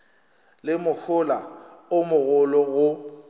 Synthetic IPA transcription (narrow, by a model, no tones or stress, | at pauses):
lɪmʊk͡xʰʊlaʊmʊɣʊlɔɣʊ